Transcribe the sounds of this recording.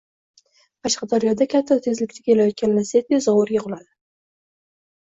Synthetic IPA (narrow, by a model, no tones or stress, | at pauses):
pʰɑʃqʰɑd̪aɾijɒd̪akʲʰat̪ʰːat̪ʰe̞zlɪkʲt̪ʰḁkʲʰelajɒt̪̚kʲannaset̪̚ezɒwʊɾjɪqʊlˠad̪ɪ